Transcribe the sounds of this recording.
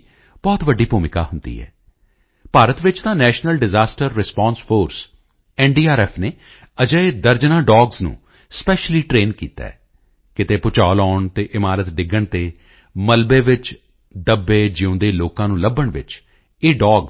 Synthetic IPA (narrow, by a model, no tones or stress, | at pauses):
b̥ɔːt̪ʋəɖːiːpuːmɪka̰ːɦʊnd̪ḭːɦɛ̰ː | paːɾət̪ʋɪt͡ʃt̪ãːnɛːʃnəlɖɪzaːsʈəɾːɪspɔ̃ːnspʰoːɾs | ɛːnɖiːaːɾɛːpʰneː | əd͡ʒəeːd̪əɾd͡ʒnãːɖɔːɡznṵ̃ː | spɛːʃliːʈɾeːnkḭːt̪a̰ːɛ | kɪt̪eːpʊt͡ʃaːlɔːɳt̪eːʔɪmaːɾət̪ɖɪɡːəɳt̪eː | məlbeːʋɪt͡ʃ | d̪əbːeːd͡ʒɪõːd̪eːloːkãːnũːləbːəɳʋɪ̰t͡ʃ | eːɖɔːɡ